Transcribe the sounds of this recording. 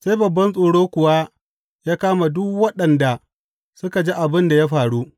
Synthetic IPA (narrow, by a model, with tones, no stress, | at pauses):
se˦jbɐ˨bːɐ˦nsʼoː˨ɽoː˦kʷʊ˨wa˦ | jaː˦kaː˦ma˨dʊ˦kwɐ˦ɗɐ˨nda˨ | sʊ˦ka˨d͡ʒi˦ʔa˨bɪ˦nda˨ja˦ɸaː˨ɽu˦ʔ